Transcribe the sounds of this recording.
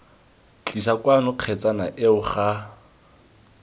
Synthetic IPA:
t͡ɬʼisakwanʊq͡χʰɛt͡sʼanaʔɪʊχa

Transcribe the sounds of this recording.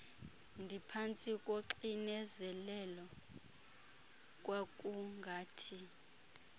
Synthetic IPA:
ndʱipʰant͡sʼikʼoǃinɛzɛlɛlɔ | kʼwak̬ʼuŋɡʱaːtʰi

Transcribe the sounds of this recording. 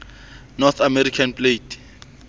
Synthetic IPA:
nɔθamɛɾikʰanplet

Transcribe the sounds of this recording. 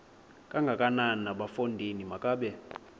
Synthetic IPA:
kʼaŋɡʱakʼanannaɓafondʱinimakʼaːɓɛ

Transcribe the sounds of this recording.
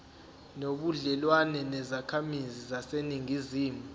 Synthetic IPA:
noɓuɮɛlwanɛnɛzakʰamizizaseniŋiziːmu

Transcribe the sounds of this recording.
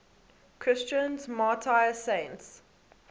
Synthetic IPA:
kʰɹ̥ɪst͡ʃə̃nzmaːtʰaɪsẽnts

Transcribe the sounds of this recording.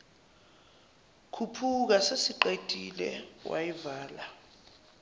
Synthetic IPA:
kʰupʰuk̬asesiǃed̥ʱilɛ̰wʔa̰jivaːla

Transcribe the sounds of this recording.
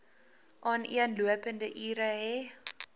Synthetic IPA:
ʔɑːniənluəpəndəʔiːɾəɦɛ

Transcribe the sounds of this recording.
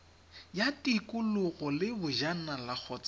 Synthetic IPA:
jatʼikʼʊlʊɣɔlɪbʊʒanalak͡xʰɔːt͡sʼa

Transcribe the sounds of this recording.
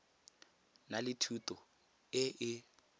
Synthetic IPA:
nalɪtʰutɔ | ɪʔɪ

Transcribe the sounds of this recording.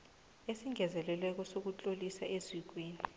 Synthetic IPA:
esiŋʱɛzɛlɛlɛk̬ɔsok̬ut͡ɬʼolisaʔezik̬weːni

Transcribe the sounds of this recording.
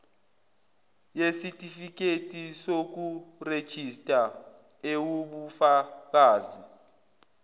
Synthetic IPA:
jesitʼifik̬ʼetʼisok̬ured̥ʒ̥ʱistʼa | ewuɓufak̬aːzi

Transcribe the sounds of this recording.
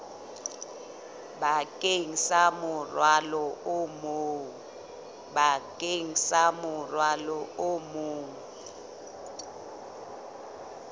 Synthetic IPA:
bakʼeŋ̩samʊrwalɔʔʊmou | ɓakʼeŋ̩samʊrwalɔomʊːŋ

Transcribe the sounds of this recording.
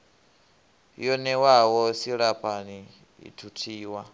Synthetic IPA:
jɔnɛwawɔsiɺapʰani | ḭtʰutʰiːwa

